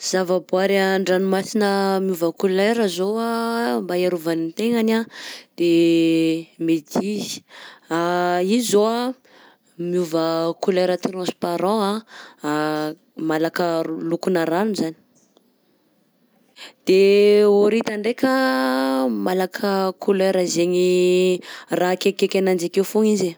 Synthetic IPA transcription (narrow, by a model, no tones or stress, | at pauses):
z̥avəboaɾaɳɖ͡ʐanumasinəmjuvəkuleɾəzoambajaɾuvanit̪eŋanad̪̥e | med̪izi̥aizoa | mjuvəkuleɾət̪rãspaɾãa | malakəlukunəɾanuzani̥ | d̪̥eoɾit̪aɳɖ͡ʐekə | malakʰəkʰuleɾəzeŋi | rakekekʲanand͡ʒakewfuŋize